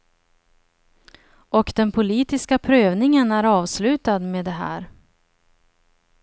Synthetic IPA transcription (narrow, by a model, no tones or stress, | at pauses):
ʔɔkd̪ɛnpʰʊliːt̪ɪskapʰɾøːvnɪŋənæɾɑːvslʉ̟ːt̪ad̪meːd̪ɛɦæ̰ːɾ